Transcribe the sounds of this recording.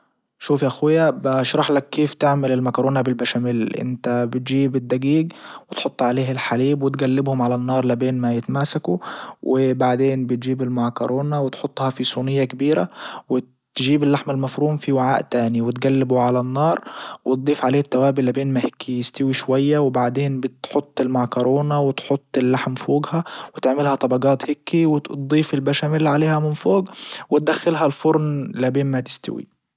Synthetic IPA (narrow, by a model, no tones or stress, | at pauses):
ʃuːfjaʔxwɪjːabɪʔʃɾˤɑħlakːeːft̪ɪʕmɪlɪlmakɑɾˤoːnabɪlbaʃamɪlʔɪ̰nt̪abɪt̪ʒiːbɪd̪ːaɡiːɡwɪt̪ħot̪ˤːʕaleːhɪlħaliːbwɪt̪ɡalːɪbhʊmʕalanːɑːɾˤlɪbeːnmajɪt̪maːsakuwʔɪbaʕd̪eːnbɪt̪̚d͡ʒiːbɪlmakɑɾˤoːnawɪt̪ħot̪ˤːhɑfisˤuːnɪjːakabiːɾa̰wɪ | t̪ʒiːbɪlːaħmɪlmafɾuːmfiwaʕaːʔt̪aːniwɪt̪ɡalːɪbuʕalanːɑːɾˤwɪt̪̚d̪ˤiːfʕaleːt̪ːawaːbɪlabeːnmahɪkʰːijɪst̪ɪwiʃwajːawɪbaʕd̪eːnbɪt̪ħʊt̪ˤːɪlmaʕkʊɾoːnawɪt̪ħʊt̪ˤːɪlːaħmfoːɡhawɪt̪ɪʕmɪlhɑt̪ˤɑbɑɡɑːt̪hɪkːiwɪd̪ˤiːfɪlbaʃamɪlːiʕaleːhamɪnfoːɡwɪt̪̚d̪axːɪlɦalfʊɾˤnlabeːnmat̪ɪ̥st̪ɪ̰wḭ